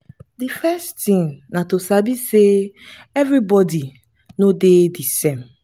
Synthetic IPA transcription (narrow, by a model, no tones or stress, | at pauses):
difɛstĩŋnãtosabiseɛvɾibɔdi | nõdedisɛ̃m